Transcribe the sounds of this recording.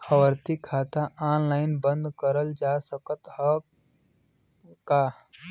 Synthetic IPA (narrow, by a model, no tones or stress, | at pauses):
əwəɾt̪ikʰaːt̪aʔaːnlaːɪnbə̃nd̪kəɾəld͡ʒaːsəkət̪hə | kaː